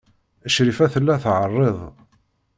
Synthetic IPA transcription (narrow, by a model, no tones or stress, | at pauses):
əʃɾifæθəlːæθʕərˤːeðˤ